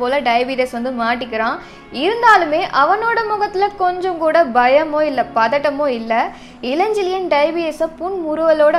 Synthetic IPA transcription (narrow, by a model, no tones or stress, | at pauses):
oːlɐɖɐɪbiɾɛsʋɐnd̪ɯmaːʈːɪkːɪɾãː | ɪɾɯnd̪aːlɯmeːʔɐʋɐnoːɽɐmʊɣɐt̪ːɪlɐkɔɲd͡ʒɔ̃mkuːɽɐbɐjɐmoːɪlːɐpɐðɐʈːɐmoːɪlːɐ | ɪlɐɲd͡ʒɪlɪjɐnɖɐɪbiːɛsɐpʊɳmʊɾɯʋɐloːɽɐ